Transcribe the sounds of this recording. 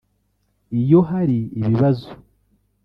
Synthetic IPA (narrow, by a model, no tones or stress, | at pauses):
ijo̞ɦaɾiːβiβazo̥